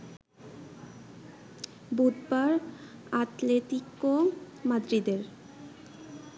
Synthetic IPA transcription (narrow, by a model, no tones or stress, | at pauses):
bud̪baɾat̪let̪iko | mad̪ɾid̪eɾ